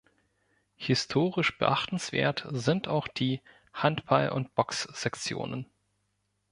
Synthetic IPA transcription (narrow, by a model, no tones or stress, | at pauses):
hɪstʰoːʁɪʃb̥ə̰ʔaχtn̩sv̥ḛːɐtzɪntʰaʊxd̥iː | hantb̥alʔʊ̰ntb̥ɔksz̥ɛkt͡sjo̰ːnən